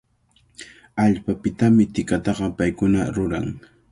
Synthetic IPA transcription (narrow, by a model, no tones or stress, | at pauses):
aʎpapɪt̪amɪt̪ɪkat̪ɑɢɑpajkʊnaɾʊɾa̰ŋ